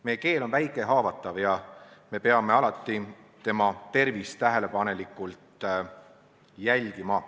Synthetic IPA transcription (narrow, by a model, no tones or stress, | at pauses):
mejeke̞ːlo̞nvæjkˑe̞ɦɑːvɑt̪ːˑɑvjɑme̞pe̞ɑme̞ɑlɑt̪ˑːi | t̪e̞mɑt̪e̞rvist̪æɦe̞le̞pɑne̞likːˑult̪ | jælʲɡ̥imɑ